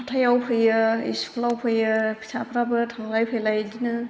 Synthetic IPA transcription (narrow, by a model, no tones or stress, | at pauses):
atʰajawpʰɯjɯḭsu̥kʰlawpʰɯjɯpʰɯ̥sʰapʰɾabɯtʰaŋlajpʰejlajdinɯ